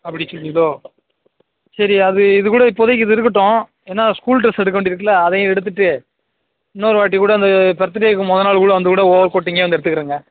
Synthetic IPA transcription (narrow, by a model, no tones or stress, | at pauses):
ɐpːɐɽɪsɔlːiðoː | sɐɾiɐðɯɪðɯkuːɽɐɪpːoːðɐkːɪðɯɪɾɯkːɐʈːõː | eːnːaːskuːlʈɾɐsɛɽɯk̬ːɐʋeːɳɖɪɾɯk̬ːɐlɐːðɛj̃ɛɽɯt̪̬ːɯʈːɯ | ɪnːɐːɾʋaːʈ̬ːikuːɽɐɪnd̪ɐpɛɾɐt̪ːɐɾɐjɐkːɯmɔðɐnaːɭkuːɽɐʋɐnd̪ɯkuːɽɐoːʋɐɾkoːʈːiːŋɡɐeːʋɐnd̪ɛɽɯt̪ːɯkːɯɾɯːŋɡɐ